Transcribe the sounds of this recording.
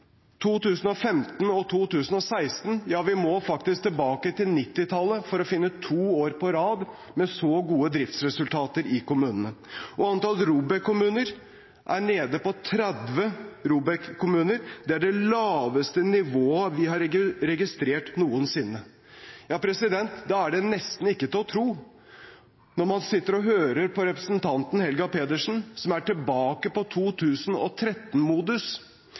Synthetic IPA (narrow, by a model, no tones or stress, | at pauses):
t̪ʰuːt̪ʉːsən̩ɔfɛmt̪n̩ɔt̪ʰuːt̪ʉːsən̩ɔsæɪst̪n̩jɑːʋɪmɔfɑk̚t̪ɪsk̚t̪ɪlbɑːkət̪ɪlnɪt̪ːɪt̪ʰɑlːəfɔɾɔfɪnːət̪ʰuːoːɾpɔɾɑːd̪ | mɛsɔɡuːəd̪ɾɪft̪sɾɛsʉlt̪ʰɑːt̪əɾɪkʊmʉːnənəʔɔɑnt̪ɑlɾuːbɛkʰːʊmʉːnəɾ | ʔæɳeːd̪əpɔt̪ʰɾɛd̪ʋəɾuːbɛkkʰːʊmʉːnəɾd̪ɛæɖɛlɑːʋəst̪ənɪʋoːəʋɪɦɑɾɾɛɡɪst̪ɾeːʈnuːənsɪnːə | jɑːpʰɾɛsɪd̪ɛnt̪d̪ɑæɖɛnɛst̪n̩ɪkːət̪ɪlɔt̪ʰɾuː | nɔmɑnsɪt̪ːəɾɔɦøːɾəɾpʰɔɾɛpɾəsn̩t̪ʰɑnt̪n̩hɛlɡɑpeːd̪əʂn̩sɔmæʈɪlbɑːkəpɔt̪ʰuːt̪ʰʉːsn̩ɔ̰t̪ʰɾɛt̪ːn̩muːd̪ʉs